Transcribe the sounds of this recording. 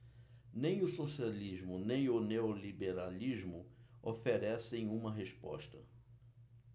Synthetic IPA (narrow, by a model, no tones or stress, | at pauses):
nẽj̃ʊsosialiʒmʊnẽj̃ʊneolibeɾaliʒmʊofeɾɛsẽj̃ũmɐɦespɔ̰ʃt̪ɐ